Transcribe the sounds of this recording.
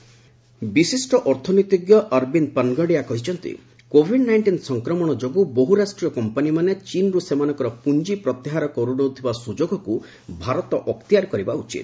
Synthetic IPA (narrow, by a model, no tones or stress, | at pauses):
bisisʈɔʔɔɾt̪ʰɔnoit̪iɡjɔʔɐɾbinpanɡɔɽijakɔɦit͡ʃʰɔnt̪ḭ | kobʱiɖnajɳʈinsɔŋkɾɔmɔɽ̃ɔd͡ʒobuboɦuɾasʈɾijɔkɔmpanimanet͡ʃinɾusemanɔ̃ŋkɔɾɔpund͡ʒipɾɔt̪eɦaɾɔkɔɾunot̪ʰibasud͡ʒoɡɔku | bʱaɾɔt̪ɔʔɔkt̪ijaɾkɔɾibaut͡ʃḭt̪